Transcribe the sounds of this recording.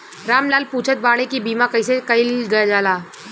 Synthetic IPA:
ɾaːmlaːlpuːt͡ʃʰət̪̚baːɽ̃ekibiːmãkɐisekɐɪlɡɐjad͡ʒaːlaː

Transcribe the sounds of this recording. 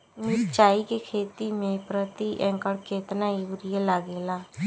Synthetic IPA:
meɾt͡ʃaːiːkekʰeːt̪iːmẽːpɾət̪iʔɛ̃ːŋkəɽkeːt̪nãːiʊɾɪjelaːɡeːlaː

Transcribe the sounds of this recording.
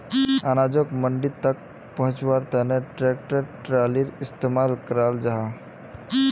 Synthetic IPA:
anad͡ʒokməɳɖit̪ək̚ | pəɦʊ̃t͡ʃwaɾt̪əneʈɾek̚ʈəɾʈɾaliɾɪst̪emalkəɾald͡ʒaɦa

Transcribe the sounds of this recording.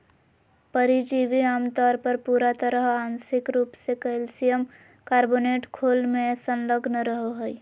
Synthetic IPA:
pəɾid͡ʒiʋiaːmt̪ɔːɾpəɾpuːɾat̪əɾəɦaːnsɪkɾuːpsekəlsijəm | kaːɾboːneːʈkʰoːlmẽsənləɡnɾəɦoɦəi

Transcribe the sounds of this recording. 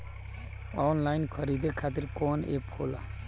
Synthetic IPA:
ɔːnlajnkʰɔɾid̪ekʰat̪̬iɾkɔːnḛphola̰

